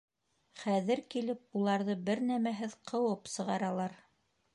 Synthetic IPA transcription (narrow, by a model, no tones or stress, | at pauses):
χæðɘɾkilɘp̚ulˠɑɾðɤbɘɾnæmæɦɘðqʰɤ̆wɤpsɤ̆ʁɑɾɑlˠɑɾ